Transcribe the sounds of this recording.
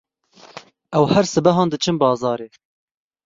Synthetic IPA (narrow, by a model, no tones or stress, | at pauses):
ʔɛwhɛɾsɨbɛɦɑːnd̪ɨt͡ʃʰɨmbɑːzɑːɾeː